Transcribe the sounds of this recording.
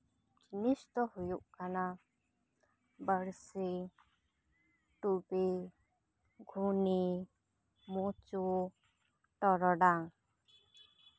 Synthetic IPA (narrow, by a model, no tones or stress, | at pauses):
d͡ʒinist̪ɔhujuʔkana | bəɾsi | ʈubi | ɡʱuni | mut͡ʃu | ʈɔɾɔɖaŋ